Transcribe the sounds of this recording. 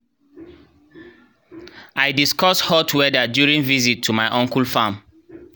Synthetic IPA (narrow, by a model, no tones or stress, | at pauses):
aɪdiskɔshɔtʰwɛdədjuɹĩŋvizitʰːumaɪʔɔ̃ŋkul̩fãm